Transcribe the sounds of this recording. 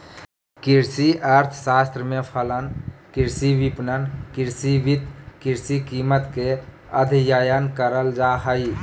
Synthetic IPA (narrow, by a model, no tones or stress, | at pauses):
kiɾsiʔaɾt̪ʰsast̪ɾəmepʰələnkiɾsibipnənkiɾsibit̪kiɾsikimət̪ke | ə̰d̪ʱjəjənkəɾəld͡ʒaɦəj